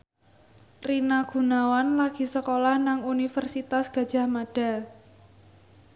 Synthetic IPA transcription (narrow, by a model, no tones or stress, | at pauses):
rinaɡ̥ṳnawanlaɡ̥i̤səkolahnaŋunifərsit̪asɡ̥a̤d̥ʒ̥a̤hmaɖ̥a̤